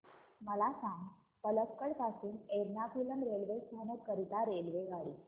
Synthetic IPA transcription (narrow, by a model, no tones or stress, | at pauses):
məlasãŋɡ | pələpkəɽpasuːneɾnapulənɾelʋest̪ʰanokəɾit̪aɾelʋeɡaɭiː